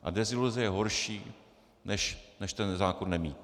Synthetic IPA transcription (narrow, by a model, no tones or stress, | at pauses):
ʔa̰dɛzɪluzɛjɛɦoɾʃiː | nɛʃnɛʃt̪ɛnzaːkonːɛmiːt̪